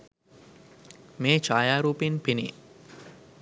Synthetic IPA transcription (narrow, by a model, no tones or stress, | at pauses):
meːt͡ʃaːjaːɾuːpenpinḭ